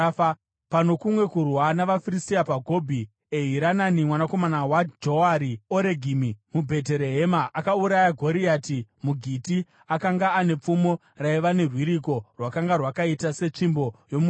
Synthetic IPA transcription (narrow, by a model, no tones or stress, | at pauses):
pano̞kumwe̞kurwanaʋafiristiapaɡʱo̞bʱi | eɦiɾananimwanako̞manawad͡ʒoaɾioɾe̞ɡʱimimubʱe̞t̬e̞ɾe̞ɦe̞maʔakauɾajaɡʱo̞ɾiatimuɡʱiti | akaŋɡaːne̞p͡fumo̞ | raiʋane̞rwiɾiko̞rwakaŋɡarwakaitase̞t͡ʂimbo̞jomu